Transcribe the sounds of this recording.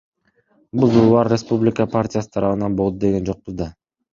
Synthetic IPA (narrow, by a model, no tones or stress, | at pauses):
buzulˠulˠɑɾɾespublʲɪkəpʰartʲɪjasɯ̥t̪ʰɑɾɑβɯnɑnbo̞lˠd̪ud̪e̞ɡe̞nd͡ʒo̞q̚buzd̪ɑ